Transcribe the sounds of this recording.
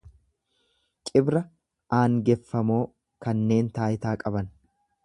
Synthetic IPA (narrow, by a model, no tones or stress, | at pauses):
kʼɪbɾɐ | aːŋɡɛfːɐmo̞ː | kɐnːe̞ːnt̪aːjɪt̪aːkʼɐbɐn